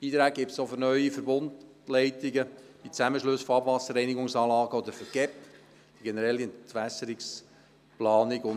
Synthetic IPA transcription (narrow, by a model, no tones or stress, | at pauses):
b̥iːt̪ɾæːɡ̚ɡɪp̚tsofʏɾnœʏifəɾbʊnt | lɛɪtɪɡə̥ | it͡sæməʃlɵsfɔɑbvɑsːəɾɛɪniɡʊŋsɑːlɑːɡəɔd̪əɾfəɾɡ̥ɛp | d̥iɡɛnəɾɛlːiɛnt̪ʋæsəɾiks | plɑːnɪɡʊn